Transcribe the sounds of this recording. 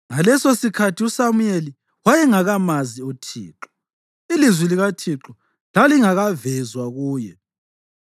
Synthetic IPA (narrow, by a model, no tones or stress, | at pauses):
ŋalɛsosikʰatʰiusamujeli | wajɛŋaɣamaziutʰḭːǁɔ̥ | ilizwiliɣatʰiǁɔ | laliŋaɣavɛzwaɣuːjɛ